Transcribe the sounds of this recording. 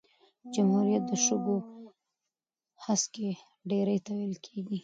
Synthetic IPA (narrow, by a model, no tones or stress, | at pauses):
d͡ʒamhuɾijat̪̚d̪əʃəbo | haske | ɖeɾajt̪awejlkʰeɡi